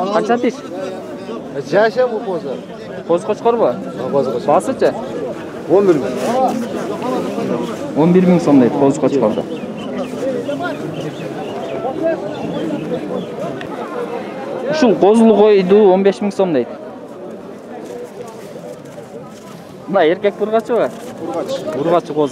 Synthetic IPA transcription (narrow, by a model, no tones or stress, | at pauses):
qʰɑnt͡ʃɑt̪iʃ | d͡ʒaʃabuqozo | qʰozqʰot͡ʃqoɾβəozbɑsɯt͡ʃʰa | onbiɾmiŋ | onbiɾmiŋso̞md̪ejt̪qʰozqʰot͡ʃqoɾd̪ɯ̰ | uʃulˠqʰo̞zlˠʁo̞jd̪uːonbe̞ʃmʲiŋso̞md̪ejt̪ | mnɑe̞ɾkʲe̞k̚t̪uɾʁɑt͡ʃʰɯβə | uɾʁɑt͡ʃʰɯqʰoz